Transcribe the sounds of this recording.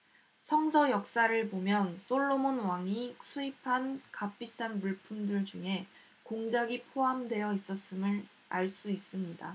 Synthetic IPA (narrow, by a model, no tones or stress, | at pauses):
sʰʌŋsʰʌjʌk̚s͈aɾɯɭbomjʌns͈oɭːomonwaŋisʰuipʰankap͈ʰis͈anmuɭpʰumdɯɭd͡ʑuŋe̞ | koŋd͡ʑaɡipʰoɦamdwe̞jʌis͈ʌs͈ɯmɯɾ | aɭs͈uis͈ɯmɲida